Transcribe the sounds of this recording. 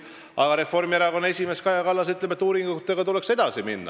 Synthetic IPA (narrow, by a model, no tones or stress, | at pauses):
ɑɡ̥ɑɾe̞fo̞rmieɾɑko̞nːe̞sʲime̞skɑjɑkɑlːɑs̬yt̪lemet̪ːˑuːɾiŋɡut̪ːeɡ̥ɑt̪ule̞kse̞d̪̥ɑsiminːɑ̰